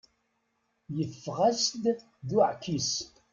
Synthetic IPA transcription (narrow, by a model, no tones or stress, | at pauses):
jəfːʁasd̪ | ðuʕkːis